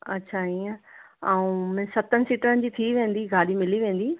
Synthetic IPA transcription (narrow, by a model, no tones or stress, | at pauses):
ɐ̰tːɕʰaiːə̃aũmɛ̃sɐt̪ənɪ̆siːʈəɾənɪ̆d͡ʑiːt̪ʰiʋẽːn̆d̪iɡʱaːɗimɪliʋẽːnd̪i